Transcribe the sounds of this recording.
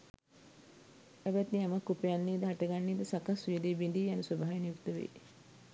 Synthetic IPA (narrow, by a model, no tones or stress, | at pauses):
æbæt̪niamakːupejanːiːd̪əɦaʈəɡanːiːd̪əsakasʋujəd̪eːbeɳɖiːjanəswəbʱaɦːʋinijuk̚t̪əʋḛj